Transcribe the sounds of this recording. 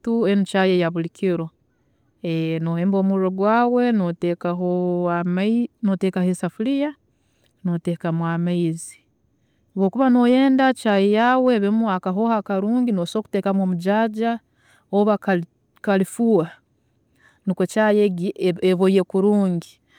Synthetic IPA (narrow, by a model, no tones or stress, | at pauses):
tuenit͡ʃajejaβulikʰiɾo | enoheːmbo̞ːmuɾoɡwaːwe̞notekaɦoamnoteːkahesafulija | notekamwamaizi̥ | oβwo̞ːkuβano̞je̞ːndat͡ʃajejawe̞βimuakaɦohakaɾuːŋɡinoso̞ːku̥te̞ːkamwoːmuɟaːɟa | oβak | kalifuwa | nikot͡ʃajeɡieβojekuɾuːŋɡi